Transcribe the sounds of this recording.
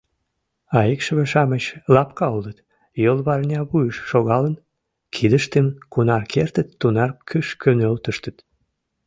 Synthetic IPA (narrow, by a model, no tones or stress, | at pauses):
ɑikʃəβeʃɑmət͡ɕlɑpkɑolət̪ | jolβɑrnʲɑβujəʃːoɣɑlən | kʰid̪əʃt̪emkunɑrkʰert̪ət̪ːunɑrkʰyʃkønølt̪əʃt̪ət̪